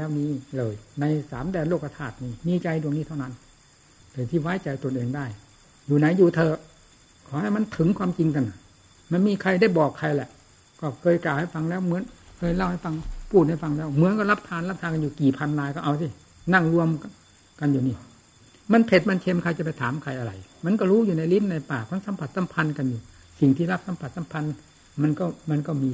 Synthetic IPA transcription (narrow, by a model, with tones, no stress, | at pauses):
ɛː˧˥˩wniː˧˩˨lɤː˧˩jna˧jsa̰ː˨˦mdɛː˨nloː˧˩kːa˧t̪ʰaː˧˩t̪̚niː˧˩miː˧t͡ɕa˧jdu˧˩əŋniː˧˥˩wna˦˧˥n | lɤː˨˩t̪ʰiː˧˩waː˦˧˥jt͡ɕa˨˩jt̪o˧˨nʔeː˨˩ŋdaː˧˥˩j | juː˨˩na˨˦jːuː˨˩t̪ʰɤː˧ | kʰɔː˨˦ha˧˨˩jma˧˥˨nt̪ʰɯ˨˦ŋkʰwaː˧mt͡ɕi˧ŋka˧nɔ˨˩j | ma˧˥˩nmiː˧˥˨kʰa˧˩jda˥˩jbɔː˨˩kʰːa˧jlɛ˧˩ʔ | kɔː˧˩kʰɤː˧˨jklaː˨˩wha˧˩jfa˧ŋlɛː˧˥˩wmɯ˨˦ənkʰɤː˧˩jla˧˩˨wha˧˩jfa˧ŋpʰuː˥˩t̪̚ha˥˩jfa˧ŋlɛː˦˥˩wmɯ˨˦ənkɔ˧˩la˦˥p̚t̪ʰaː˧nla˧˥p̚t̪ʰaː˧nka˧njuː˨˩kiː˨˩pʰa˧nlaː˧jkɔː˥˩ʔa˧wsi˧˩ | na˧˥˩ŋlu˧əm | ka˧njuː˨˩niː˧˩ | ma˧˥˨npʰe˨˩t̪̚ma˧˨nt͡ɕʰe˧mkʰa˧jt͡ɕa˨˩pa˧˩jt̪ʰaː˨˦mkʰa˧˩jʔa˧ɾa̰˧jma˧˨nkɔː˥˩ɾuː˦˥˨juː˨˩na˧jli˦˥mna˧jpaː˨˩kʰa˧˥˨nsa˨˦mpʰa˨˩t̪̚sa˨˦mpʰa˧nka˧njuː˨˩ | si˨˩ŋt̪ʰiː˧˩la˦˥p̚sa˨˦mpʰa˨t̪̚sa˧˦mpʰa˧n | ma˧nkɔː˧˥˩ma˧nkɔː˧˩miː˧